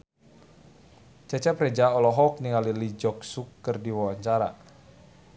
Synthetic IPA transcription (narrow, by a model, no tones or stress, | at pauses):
t͡ʃɛt͡ʃɛprɛd͡ʒaɔlɔɦɔk̚niŋalilid͡ʒɔk̚sukːərdiwawaɲt͡ʃaɾa̰